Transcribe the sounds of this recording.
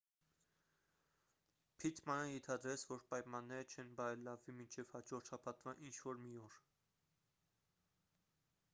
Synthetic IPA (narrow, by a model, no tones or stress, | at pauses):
pʰit̪ʰmɑnəjɛnt̪ʰɑd̪ɾɛt͡sʰvɔɾpɑjmɑnːɛɾət͡ʃʰɛnbɑɾɛlːɑvːimint͡ʃʰɛv̥hɑd͡ʒɔɾt̪ʃɑpʰɑt̪vɑʔint͡ʃʰvɔɾmiɔɾ